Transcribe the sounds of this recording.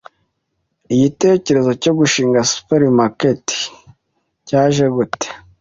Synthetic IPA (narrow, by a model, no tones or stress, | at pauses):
iɟite̞ːce̞ɾe̞zo̞co̞ɡuʃiːŋɡasu̥peɾimaketi̥ | caːʒeɡute̥